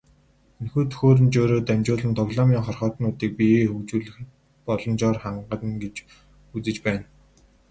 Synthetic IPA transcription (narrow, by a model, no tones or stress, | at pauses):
enxuːt̪ʰɵ̥xoːɾɘ̆nt͡ɕoːɾoːt̪æmʲt͡ɕʊːɮɘ̆nt̪ʰɔɣɮɔːmʲiːŋχɔrχɔːt̪nʊːt̪iːk̚piexɵkt͡ɕuːɮɘ̆x | pɔɮɞ̆nt͡ɕɔːrχaɴɢə̆t̪̆nɡet͡ɕ | ut͡sɘ̆t͡ɕpæːn